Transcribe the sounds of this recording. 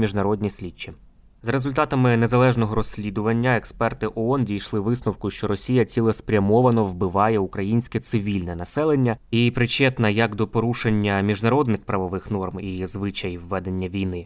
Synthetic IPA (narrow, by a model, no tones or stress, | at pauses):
mʲiʒnɐɾɔd̪ʲnʲisʲlʲit͡ʃːi | zɾezʊlʲt̪ɑt̪ɐmɪnezɐlˠɛʒnɔɦɔɾɔsʲlʲid̪ʊʋɐnʲːɐekspɛrt̪ɪʔɔɔndʲijʃlˠɪʋɪsnɔwkʊʃt͡ʃɔɾɔsʲijɐt͡sʲilˠɛspɾʲɐmɔʋɐnɔʋbɪʋɑjɛukɾɐjinʲsʲkɛt̪sɪʋʲilʲnɛnɐsɛlˠenʲːɐipɾɪt͡ʃɛt̪nɐjɐkd̪ɔpɔɾuʃenʲːɐmʲiʒnɐɾɔd̪nɪxpɾɐʋɔʋɪxn̪ɔrmizʋɪt͡ʃɐjʋːɛd̪e̞nʲːɐʋʲijnɪ